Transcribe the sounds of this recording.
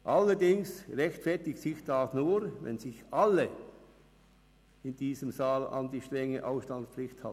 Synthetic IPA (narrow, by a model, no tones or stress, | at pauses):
ʔɑlːədɪŋsʁɛçtfɛɐtɪksɪçd̥asnuːɾvɛ̰nzɪçʔalə | ɪnd̥iːzəmzaːlɑ̰ndiːʃtʁ̥ɛŋəʔaʊfsʃtɑnspflɪxtha̰